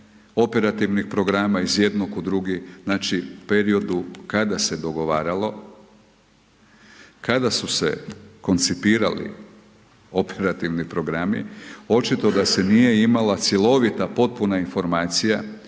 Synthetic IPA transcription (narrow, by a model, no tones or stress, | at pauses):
o̞pe̞ɾat̪iʋnixpɾo̞ɡɾaːmaizje̞d̪nokud̪ɾuɡinaːt͡ʃiupe̞ɾio̞d̪ukad̪ase̞d̪o̞ɡo̞ʋaːɾalo̞ | kad̪asuse̞̰ko̞nt̪sipiːɾa̰lḭ | o̞peɾat̪iʋnipɾo̞ɡɾamḭo̞t͡ʃit̪o̞d̪ase̞nije̞imalat̪sʲjelˠo̞ʋit̪apo̞t̪̚punainfo̞ɾmaːt̪sija